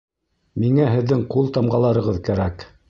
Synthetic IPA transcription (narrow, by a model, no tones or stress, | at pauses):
miŋæɦɘ̆ðːɘŋqulˠt̪ɑmʁɑlˠɑɾɤ̆ʁɤðkæɾæk